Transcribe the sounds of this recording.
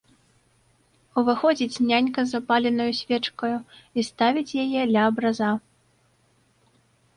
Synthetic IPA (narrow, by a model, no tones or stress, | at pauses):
uvɨxɔd͡zʲit͡sʲnʲanʲkɐzapalʲɛnɐjusʲvʲɛt͡ʂkɐjuist̪avʲit͡sʲjajɛd̪lʲɐːbɾaza